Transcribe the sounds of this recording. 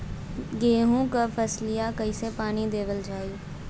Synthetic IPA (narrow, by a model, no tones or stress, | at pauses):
ɡeːɦũːkəpʰəslijaːkəiːseːpaːniːd̪eːʋəld͡ʒaːiː